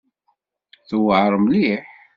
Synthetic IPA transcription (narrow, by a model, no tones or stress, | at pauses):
θuwəʕəɾˤmliħ